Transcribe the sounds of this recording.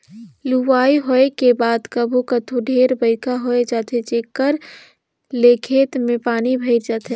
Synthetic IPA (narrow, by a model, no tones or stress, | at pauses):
luʋaːiɦoekebaːd̪kəbʱukət̪ʰoɖʱeːɾbəɪkaɦoed͡ʒaːt̪ʰet͡ʃeːkːəɾ | leːkʰeːt̪mẽpaːnibʱəɪd͡ʒaːt̪ʰɦe